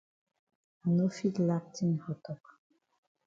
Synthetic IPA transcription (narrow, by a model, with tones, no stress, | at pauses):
a˨no˦fi˦tla˦p̚tʰi˦n˨hɔ˨tɔ˨k